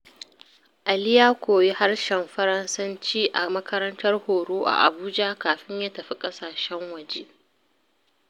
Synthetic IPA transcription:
ʔa˨lɪ˦jaː˦kʷoː˨je˦ha˦rʃɛ˨mɸɐ˦ɾɐ˦nsɐ˦nt͡ʃiː˦ʔa̰˨mɐ˦kʰɐ˦ɾɐ˦ntɐ˦rhoː˨ɾoː˦ʔa̰˨ʔa̰˨buː˦d͡ʒa˦kaː˨ɸɪ˦ɲjaː˦tɐ˨ɸi˦kʼɐ˦saː˨ʃɛ˦ŋwɐ˨d͡ʒe˦

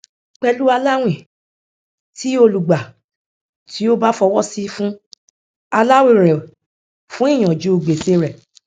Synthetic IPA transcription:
k͡pɛ˧lu˦a˧la˦w̃ĩ˦˨ | ti˦o˧lu˨ɡ͡ba˨ | tʰi˨˦o˦ba˦fɔ˧wɔ˦si˦fũ˦ | a˧la˦wi˨ɾ̃ɛ̃˨ | fũ˦i˦˨j̃ɔ̃˨d͡ʒu˨˦o˧ɡ͡be˨se˧ɾɛ˨

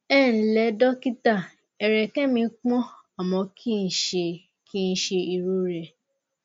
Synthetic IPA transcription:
ɛ˦˨n̩˨lɛ˨˦dɔ˦ki˦ta˦˨ | ɛ˨ɾɛ˨kɛ̃˦mĩ˧˦k͡pɔ̃˦ | a˨mɔ̃˧kʰi˦˧n̩˨˦ʃe˧ | kʰi˦n̩˦ʃe˧i˧ɾu˨˦ɾɛ˧˨

